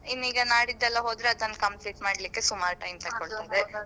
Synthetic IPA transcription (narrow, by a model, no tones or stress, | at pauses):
inːiːɡɐnaːɽid̪ːɛlːɐɦoːd̪ɾeɐd̪ɐnːkɐmpliːʈmaːɽlikːe̞sumaːɾʈɐjmt̪ɐkːoɭt̪ind̪e